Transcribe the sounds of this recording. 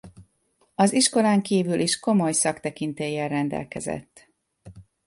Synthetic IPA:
ɒziʃko̞laːŋkiːvylʔiʃko̞mo̞jsɒkt̪ɛkint̪eːjɛlrɛnd̪ɛ̰lkɛzɛ̰t̪ː

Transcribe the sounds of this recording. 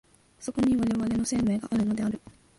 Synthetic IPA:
so̞ko̞ɲ̟iβaɾe̞βaɾe̞no̞se̞ːme̞ːɡaʔaɾɯ̟no̞d̪e̞aɾɯ̟

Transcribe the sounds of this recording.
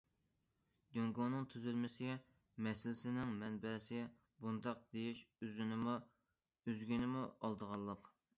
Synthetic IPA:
doŋɡonɨŋt̪ʰyzylmɪsɪ | mɛsɪlɪsɪnɪŋmɛnbɛsɪ | bund̪ɑq̚d̪ejiʃøzynɪm | øzɡʲinɪmuɑlˠd̪əʁɑlˠːəq

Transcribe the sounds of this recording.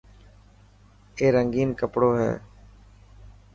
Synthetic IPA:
eːɾəŋɡiːnkəpɽoːɦɛ̰ː

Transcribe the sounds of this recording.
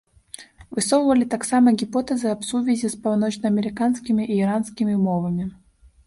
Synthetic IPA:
vɨsɔvvəlʲɪt̪aksamɐɡʲipot̪ɛzɨɐpsuvʲɪzʲɪspɐwˠnɔt͡ɕnɐɐmʲɪɾʲɪkanskʲimʲiʔiːɾanskʲimʲɪmɔvɐmʲɪ

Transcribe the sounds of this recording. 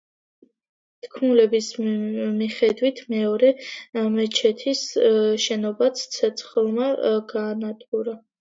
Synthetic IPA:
t̪ʰkʰmulɛbismiχɛd̪wit̪ʰmɛɔɾɛmɛt͡ʃʰɛt̪ʰisʃɛnɔbat̪sʰt̪sʰɛt̪sʰχlˠmaɡaːnat̪ʼɡuɾa

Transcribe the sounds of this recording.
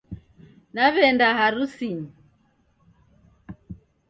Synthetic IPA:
naβɛndaɦaɾusiɲi

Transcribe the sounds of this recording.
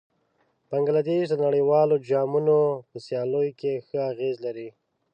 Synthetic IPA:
b̥aŋɡlad̪eʃd̪ənaɽəwɑlod͡ʒɑmunopəsjɑlojokexəaɣezlaɾi

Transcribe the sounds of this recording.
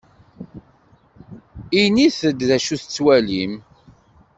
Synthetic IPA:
iniθəd̪ðæʃuθət͡sːwælim

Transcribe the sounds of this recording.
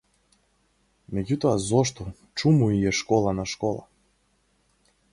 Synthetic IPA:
mɛɟut̪ɔazɔʃt̪ɔ | t͡ʃumuiɛʃkɔlˠanaʃkɔlˠa̰

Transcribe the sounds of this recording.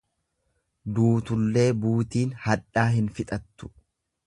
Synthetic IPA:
d̪uːt̪ʊlːe̞ːbuːt̪iːnhɐᶑaːɦɪnfɪt̪ʼɐt̪ːʊ̥

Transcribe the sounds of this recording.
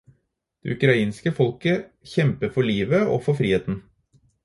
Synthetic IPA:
d̪̥ḛʉkɾɑiːnskəfɔlkə | çɛmpəɾfɔɭiːʋəɔ̰fɔfɾiːheːt̪n̩

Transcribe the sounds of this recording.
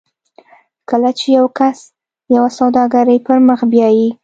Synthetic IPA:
kəlat͡ʃejawkas | jawasawd̪ɑɡaɾəjpəɾməxbjɑji

